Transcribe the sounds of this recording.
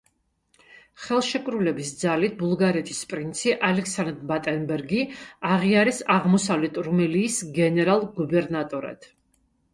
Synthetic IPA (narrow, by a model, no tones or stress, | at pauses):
χɛlˠʃɛkʼɾulɛbisd̪zalit̪̚ʰbulˠɡaɾɛt̪ʰi̥spʼɾint̪sʰiʔalɛksand̪bat̪ʼɛnbɛɾɡiaʁiaɾɛsaʁmɔsavlɛt̪ʰʼɾumɛliːsɡɛnɛɾalˠɡubɛɾnat̪ʼɔɾa̰t̪ʰ